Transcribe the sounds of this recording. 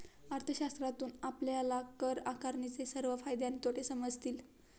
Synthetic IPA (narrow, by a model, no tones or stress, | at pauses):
aɾt̪ʰəɕast̪ɾat̪uːnapljalakəɾakaɾɳit͡sesəɾʋəfajd̪janit̪ʰoʈʰesəməd͡zʱt̪iːl